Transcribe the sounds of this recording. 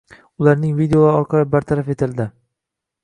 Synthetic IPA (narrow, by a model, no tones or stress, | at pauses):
ʊlaɾnɪŋvid̪eoaɒɾqʰɑlɪbaɾt̪ʰaɾafe̞t̪ʰɪld̪ɪ